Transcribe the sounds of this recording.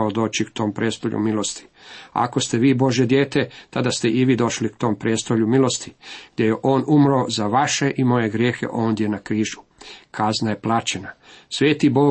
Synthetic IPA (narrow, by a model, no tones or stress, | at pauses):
od̪o̞ːt͡ɕikt̪o̞ːmpɾeːst̪o̞ʎʲṵmilˠo̞st̪ʰi̥ | a̰ko̞st̪eʋiːbo̞ʒje̞d̪je̞ːt̪e̞t̪ad̪ast̪e̞ʔiʋiːd̪oʃlikt̪o̞ːmpɾe̞ːst̪oʎumilˠo̞st̪ʰiɡ̥d̪je̞jeʔo̞ːnumɾoːzaʋaʃe̞ʔimo̞je̞ɡɾje̞ːxe̞̰ʔo̞ːnd̪je̞nakɾiːʒu | kʰaznaje̞plˠat͡ɕe̞nasʋe̞ːt̪ibo̞ː